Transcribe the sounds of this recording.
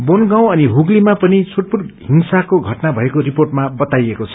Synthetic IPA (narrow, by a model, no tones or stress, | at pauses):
bonɡaw̃ʌniɦuɡlimapʌnit͡sʰuʈ̚puɽɦiŋsakoɡʱʌʈnabʱʌekoriporʈmabʌt̪ajekot͡sʰʌ